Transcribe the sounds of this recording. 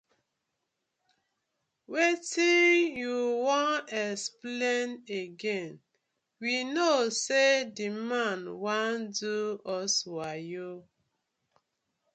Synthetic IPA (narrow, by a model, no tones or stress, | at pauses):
wetinjuwɔ̃nɛspleneɡẽn | winosedimãnwãnduɔswajo